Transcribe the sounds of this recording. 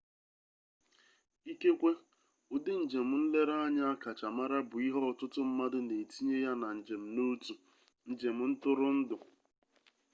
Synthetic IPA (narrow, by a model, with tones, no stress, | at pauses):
i˦ke˦kʷe˦ | ʊ˦dɪ˦n̩˨d͡ʒe˨m̩˦n̩˦le˦ɾa˦a˦ɲa˦a˦ka˨t͡ʃa˨ma˦ɾa˦bʊ˨i˦ɦɔ˦ɔ˨tʊ˦tʊ˦m̩˦ma˦dʊ˦ne˨ti˦ɲe˦ja˦na˨ɲ̩˨d͡ʒe˨m̩˨no˦tu˨ | n̩˨d͡ʒe˨m̩˦n̩˦tʊ˦ɾʊ˦n̩˦dʊ˨